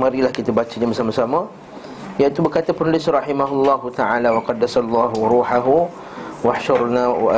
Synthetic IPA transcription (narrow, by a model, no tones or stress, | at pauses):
mãɾilahkit̪abat͡ʃaɲabəsamãsamə̃ | jaʔit̪ubərkat̪əpənulɪsɾɑħimaɦulˤːɑɦut̪aʕalawaqɑd̪ːasalˤːɑːɦuɾuːħaɦu | waħʃʊɾna̰